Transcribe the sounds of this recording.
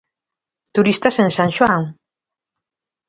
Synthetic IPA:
t̪uɾist̪asensãŋʃoaŋ

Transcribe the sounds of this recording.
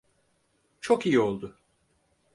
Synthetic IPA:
t͡ʃʰokijio̞lˠd̪ʊ

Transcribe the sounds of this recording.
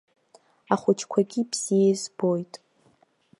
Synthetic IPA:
aχʷʊt͡ʃʰkʷʰaɡʲibz̥ijezbojtʼ

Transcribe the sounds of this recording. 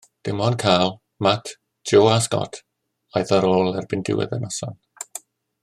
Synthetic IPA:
d̥ɪmɔnkʰaːlˠ | matʰ | d͡ʒoːaskɔ̰tʰ | ajðaɾoːlˠɛrbɪndɪ̰wɛ̰ðənɔsɔn

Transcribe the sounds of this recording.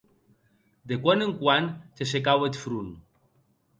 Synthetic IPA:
d̪ekwaneŋkwant̪esekawet̪fɾun

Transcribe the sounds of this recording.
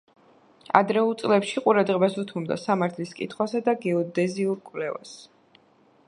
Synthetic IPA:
a̰d̪ɾɛulˠt̪sʼlɛpʃiqʼuɾad̪ʁɛbasut̪ʰumd̪a̰samaɾt̪ʰliskʼḭt̪ʰχwasad̪aɡɛɔd̪ɛziulkʼwlɛva̰s

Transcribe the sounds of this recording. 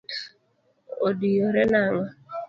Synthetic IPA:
odijoɾɛnaŋa

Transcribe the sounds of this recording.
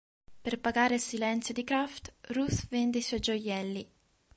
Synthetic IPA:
perpaɡaːɾesilɛnt̪sjod̪ikɾaft̪rusvɛnd̪iswɔjd͡ʒojɛlːi

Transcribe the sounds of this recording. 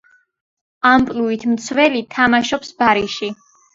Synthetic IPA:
ampʼluit̪ʰmt̪sʰvɛlit̪ʰamaʃɔpsbaɾiʃi

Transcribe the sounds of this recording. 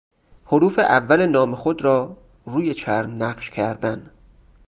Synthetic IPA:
hoɾuːfeʔævːæle̞nɒːmexod̪ɾɒː | ruːjet͡ʃʰæɾmnæɢʃcʰæɾd̪æn

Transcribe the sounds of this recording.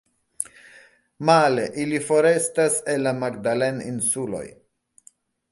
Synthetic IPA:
maleʔilifo̞ɾe̞staselːamaɡdalenḭnsulo̞̰j

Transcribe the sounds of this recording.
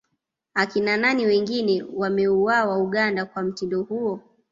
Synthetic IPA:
akinananiwɛŋɡinɛwamɛuwawauɠandakwam̩tindɔhuɔ

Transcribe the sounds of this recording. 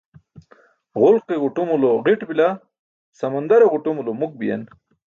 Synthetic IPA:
ʁʊlqeʁuʈumuloʁiʈbila | sɐmɐnd̪ɐɾeʁuʈumulomuk̚bija̰n

